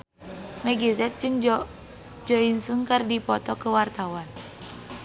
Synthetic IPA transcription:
mɛɡizɛt̪̚d͡ʒɨŋ | d͡ʒɔinsuŋkardipɔt̪ɔkəwart̪awan

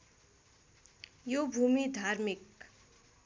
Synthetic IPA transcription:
jobʱumid̪ʱarmik

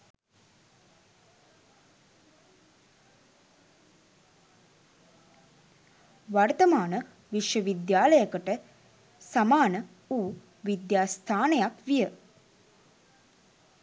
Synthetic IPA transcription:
ʋart̪əmaːnə | ʋiʃjəʋid̪jaːləjəkəʈə | samaːnə | uː | ʋid̪jaːst̪ʰaːnejakʋijə

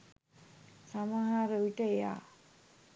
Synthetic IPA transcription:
samaɦaɾəʋiʈəeja̰ː

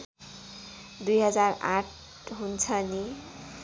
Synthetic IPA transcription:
d̪ujɦʌd͡zara̰ʈ | ɦunt͡sʰʌni

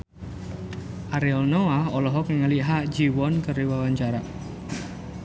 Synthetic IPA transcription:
ʔaɾiɔlnoaɦɔlɔɦɔknəŋəliɦaʔd͡ʒiwɔnkəɾiwawaɲt͡ʃaɾa

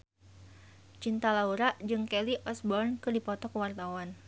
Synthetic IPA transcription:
t͡ʃint̪alauɾaʔd͡ʒɨŋkeliʔɔsbɔrnkɨrdipɔt̪ɔkəwart̪awan

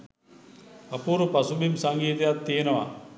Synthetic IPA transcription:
ɐpuːɾupɐsubimsɐŋɡiːt̪ejat̪ːiːenɐʋa̰

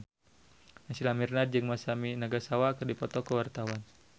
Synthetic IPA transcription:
nasilamirnad̪̚d͡ʒɨŋmasaminaɡasawaːkərdipɔt̪ɔkəwart̪awan

